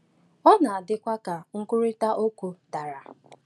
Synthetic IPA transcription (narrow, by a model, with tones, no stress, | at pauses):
ɔ˦na˨a˨dɪ˦kʷa˦ka˨ŋ̩˦kʊ˦ɾi˦ta˦ʔo˦kʷu˨ta˨ɾa˨